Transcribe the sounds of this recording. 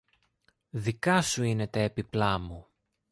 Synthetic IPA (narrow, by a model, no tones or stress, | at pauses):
ðikɐsuine̞t̪eepiplɐmu